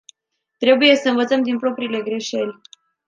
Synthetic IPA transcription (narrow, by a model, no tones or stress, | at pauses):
t̪ɾe̞buje̞səɨnvət̪səmd̪inpɾo̞pɾiːle̞ɡɾe̞ʃe̞lʲ